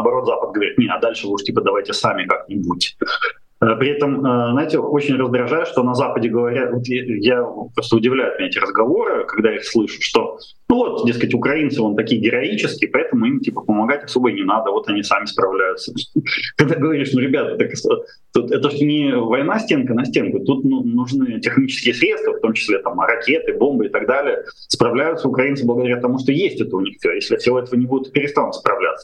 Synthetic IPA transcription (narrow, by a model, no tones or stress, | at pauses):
bɐɾo̞t̪zapət̪̚ɡəvɐɾʲit̪nʲeɐd̪alʲʂɨuʂtʲipəd̪ɐvajtʲɪsamʲɪkaknʲɪbutʲ | əpɾʲɪɛt̪əməznajtʲɪot͡ɕɪnʲrəzd̪ɾɐʐajʊʂt̪onɐzapədʲɪɡəvɐɾʲat̪vo̞t̪jajapɾo̞st̪əʊdʲɪvlʲæjʊt̪mʲeetʲɪɾəzɡɐvo̞ɾɨkɐɡ̚d̪aixslˠɨʂɨ̥t̪ʂt̪o̞ | nuvo̞t̪dʲe̞skətʲʊkɾɐinsɨo̞nt̪ɐkʲijɡʲɪɾɐit͡ɕɪskʲɪjpɐɛt̪əmʊimtʲipəpəmɐɡatʲɐso̞bəjnʲɪnad̪əvo̞t̪ɐnʲisamʲɪspɾɐvlʲæjʊt̪səkɐɡ̚d̪aɡəvɐɾʲiʂnuɾʲɪbʲat̪t̪əkso | t̪ut̪ɛt̪əʂt̪onʲɪvɐjnasʲtʲe̞nkənɐsʲtʲenkʊt̪ut̪nunʊʐnɨtʲɪxnʲit͡ɕɪskʲɪjəsɾʲet̪st̪vəft̪o̞mt͡ɕɪ̥sʲlʲet̪amrɐkʲet̪ɨbo̞mbɨɪt̪ɐɡd̪alʲɪjə | spɾɐvlʲæjʊt̪səʊkɾɐinsɨblˠəɡəd̪ɐɾʲat̪ɐmuʂt̪o̞jesʲtʲɛt̪əʊnʲixfsʲojesʲlʲɪfsʲɪvo̞ɛt̪əvənʲɪbud̪ʲʊt̪pʲɪɾʲɪst̪anʊt̪ʲspɾɐvlʲa̰t̪sə̥